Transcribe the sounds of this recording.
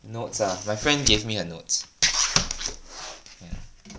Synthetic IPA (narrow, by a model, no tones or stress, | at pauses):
notsamajfɹɛ̃ndɡevmihənot | ja